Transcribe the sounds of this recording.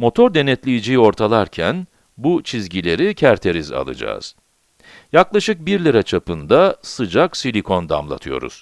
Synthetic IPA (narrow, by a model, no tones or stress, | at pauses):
mo̞t̪ʰo̞ɾd̪e̞nɛt̪lʲijid͡ʒijo̞ɾt̪ʰalˠaɾcʰæn | but͡ʃʰizɟilʲe̞ɾicʰæɾt̪ʰe̞ɾiza̰lˠɯ̰d͡ʒa̰ːz̥ | jaklˠaʃɯk̚biɾlʲiɾat͡ʃʰapɯnd̪asɯd͡ʒaksilʲikʰo̞nd̪a̰mlˠa̰t̪ʰɯjo̞̰ɾṵz̥